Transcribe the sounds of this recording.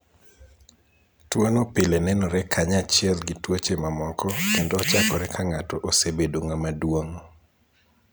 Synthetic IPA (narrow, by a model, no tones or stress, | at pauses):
twonopɪlenɛnɔɾɛkʰaɲat͡ʃɪɛlɡɪtwot͡ʃemamɔkɔkendɔːt͡ʃakɔɾɛkʰaŋatɔʔosebedoŋamadwoŋ